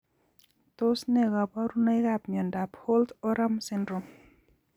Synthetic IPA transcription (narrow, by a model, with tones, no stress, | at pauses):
to˦snɛ˦˨ɣa˨pa˦ɾu˦na˦jɣa˨pmi˨ɔ˨nda˨pho˦ltɔ˦ɾa˦msi˦ndɾo˨m